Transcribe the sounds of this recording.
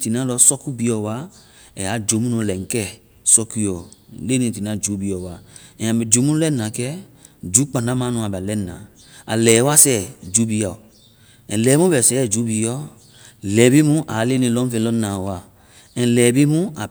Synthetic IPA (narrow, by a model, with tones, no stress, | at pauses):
ti˨nã˦lɔ˧sɔ˦ku˦bi˨˧jɔ˨wa˦ | ɛ˨a˨˦d͡ʒo˨˦mũ˦nũ˧˨lɛ˨ŋ̩˨kɛ˦˨ | sɔ˧ku˧˦jɔ˨le˦nĩ˨ti˨n˦ã˦d͡ʒu˨˦bi˨ɔ˨wa˨˦ɛ̃˨ã˨bɛ˨d͡ʒo˨˦mũ˦lɛ˦nã˨kɛ˦ | d͡ʒu˨˦k͡pã˨nda˦mã˦nũ˧˨a˨ba˨lɛ˦˨nã̰˨ | a̰˨lɛː˨wa˦sɛ˦d͡ʒu˨˦bi˧˦a˨ | ɛ̃˨lɛ˨˦mũ˦bɛ˨sɛ˦˨d͡ʒu˨˦bi˧jɔ˦˨ | lɛ˨bi˦mũ˦ʔa˨˦le˦nĩ˧lɔ̃˦fẽ˧lɔ˦nã˨a˨ | ɛ̃˨lɛ˨bi˦mũ˦a˨